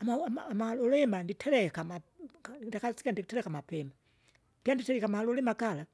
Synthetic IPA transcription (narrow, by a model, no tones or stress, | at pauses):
amaːmalɔlɛmanditʰɛɾɛkamakndakasikandiktɛɾɛkamapɛma | d̥janditɛɾɛkamalɔlɛmakala